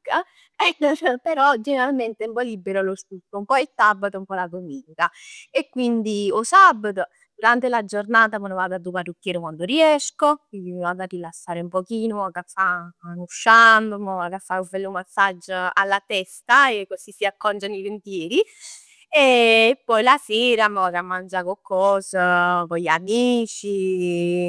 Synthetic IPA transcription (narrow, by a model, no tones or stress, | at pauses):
a | ɛpeɾɔd͡ʒeneɾalment̪eɛumpɔlibːeɾolost̪ukːoumpɔesabːat̪oumpɔlaɡomiːŋkaekːwind̪iosabːat̪o | d̪uɾant̪elad͡ʒornaːt̪amɔnovad̪ad̪uparːukːjɛːɾokwand̪oriɛskokwind̪imivad̪arːilasːaːɾeumpɔkiːnomɔkafːanuʃand̪mɔakafːauvɛlːumasːad͡ʒːa̰lːat̪ɛst̪aekːosisːiakːɔnt͡ʃanivent̪jɛːɾi | eːpːɔjlaseːɾamɔkamːand͡ʒakokːɔːsakoʎamiːt͡ʃi